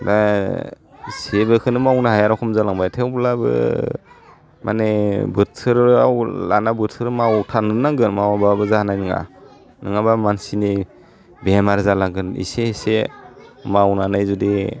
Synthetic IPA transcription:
da | sebɯkʰɯnɯmawnaɦajaɾakʰɔmzalaŋbajtʰewblabɯ̰ | mʔa̰nebɯtʰɯɾa̰wla̰nabɯɾtʰɯɾmawtʰanɯnaŋɡɯnmawababɯzahanajnɯŋa̰ | nɯŋabamansini | bemaɾzalaŋɡɯnḭsese | mawnanajzudi

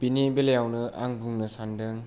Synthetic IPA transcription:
pinibeljawnɯʔa̰ŋbuŋnɯsandɯŋ

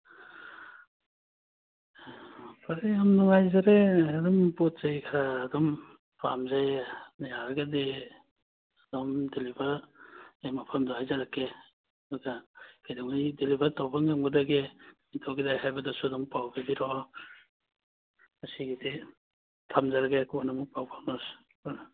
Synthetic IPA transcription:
apʰaɾeamnuŋajzaɾeadɔmpɔt̚zajkʰaɾaːdɔm | pamzajnajaɡade | ad̥ɔmdelibaɾajmapʰamdɔɦajzaɾakʰːe | aɡakajdaŋajdelibʱaɾtɔbʰaŋɡamɡadaɡemitʰɔwɡidajhajbadasuadɔmpawɡabiɾɔ | masiɡide | tʰamzaɾaɡekuanamupawpʰawnɔs

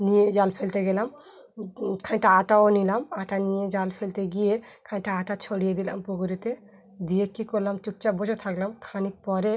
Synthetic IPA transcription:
nijed͡ʒalpʰelt̪ɛɡɛlam | kʰaɲʈaːʈaonilamaʈanijed͡ʒalpʰelt̪eɡije | kʰaɲʈaːʈat͡ʃʰɔɽijed̪ila̰mpuɡuɾit̪ɛ | d̪ijekikɔlamt͡ʃuk̚t͡ʃabɔd͡ʒɔt̪ʰaɡlamkʰanik̚pɔɾɛ

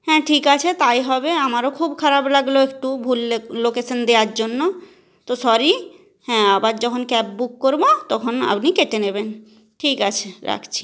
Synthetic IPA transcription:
hɛ̃ʈʰikat͡ɕʰet̪ajɦɔbeamaɾokʰubkʰaɾablaɡloek̚ʈubʱulːelokesʰond̪eaɾd͡ʑonːo | t̪osɔɾi | hɛ̃abaɾd͡ʑɔkʰonkɛp̚bukːoɾbot̪ɔkʰona̰pnikeʈ̪eneben | ʈʰikat͡ɕʰeɾa̰kʰt͡ɕʰi̥

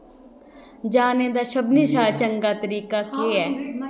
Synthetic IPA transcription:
d͡ʒaːneːd̪aːʃəbniːʃaːt͡ʃəŋɡaːt̪əɾiːkaːkeːɛː

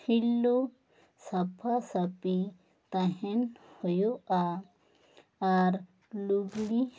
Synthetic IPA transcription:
hilːo | sɐpʰasɐpi | t̪aɦenhojoa | aɾ | luɡli

